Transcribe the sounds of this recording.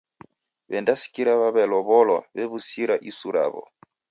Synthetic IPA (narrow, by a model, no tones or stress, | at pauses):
βɛndasi̥kiɾaβaβɛlɔβɔlɔ̰βɛβusiɾaʔisuɾa̰βɔ̰